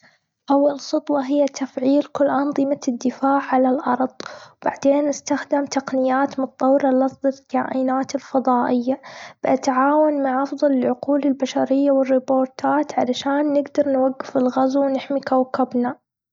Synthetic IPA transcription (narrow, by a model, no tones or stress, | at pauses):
ʔawːalsʊt̪ˤwɑɦɪjːat̪afʕiːlkʊlːʔɑnðˤɨmad̪ːɪfaːʕʕalalʔɑɾˤðˤwb̥a̰ʕd̪eːnʔɪst̪axd̪ɪmt̪aqnɪjːaːt̪mʊt̪t̪ˤːɑwːɾɑlɑsˤd̪ˤɨlkaːʔinaːt̪ɪlfɑðˤɑːʔɪjːab̥ɪʔat̪ʕaːwanmaʕʔɑfðˤɑlɪlʕʊquːlɪlbaʃaɾɪjːawɪrːɪboːɾt̪aːt̪ʕalaʃaːnːɪɡd̪ɑɾˤnwaɡːɪfɪlɣazawnɪħmikawkɪbna